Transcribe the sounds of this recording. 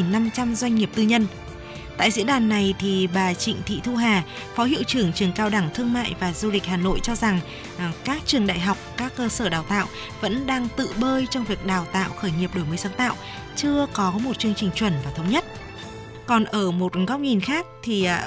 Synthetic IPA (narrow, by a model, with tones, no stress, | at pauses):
ŋna˧mt͡ɕa˧mzwa˧ŋ̟ɲi˨˩əp̚t̪ɨ˧ɲə˧n | t̪a̰ː˧˨jzḭ˧˥ɗaː˨˩nːa˨˩jt̪ʰi˨˩ɓaː˨˩t͡ɕḭ̈˧˨ŋ̟t̪ʰḭ˧˨t̪ʰu˧ɦaː˨˩ | fɔ˨˦hḭ˧˨əwt͡ɕɨ˨˧˩əŋt͡ɕɨ˨˩əŋkaː˧wɗa˧˩ŋt̪ʰɨ˧əŋma̰ː˧˨jvaː˨˩zu˧lï˨˩k̟̚haː˨˩no̰˧˨jt͡ɕɔ˧za˨˩ŋ | kaː˦˥k̚t͡ɕɨ˨˩əŋɗa̰ː˧˨jɦa˨˩wk͡p̚kaː˦˥kːəː˧səː˧˩ɗaː˨˩wt̪a̰ː˧˨w | və̰˧˥nɗaː˧ŋt̪ɨ̰˧˨ɓəː˧jt͡ɕɔ˧wŋ͡mvi˨˩ək̚ɗaː˨˩wt̪a̰ː˧˨wxəː˧˩jɲi˨˩əp̚ɗo˧˩jməː˨˦saː˨˦nt̪a̰ː˧˨w | t͡ɕɨ˧əkɔ˨˦mo˨˩t̚t͡ɕɨ˧əŋt͡ɕï˨˩ŋ̟t͡ɕwə˧˩nvaː˨˩t̪ʰə˨˦wŋ͡mɲə˦˥t̚ | kɔ˨˩nʔəː˧˩mo˨˩t̚ɣa˦˥wk͡p̚ɲi˨˩nxaː˦˥k̚t̪ʰi˨˩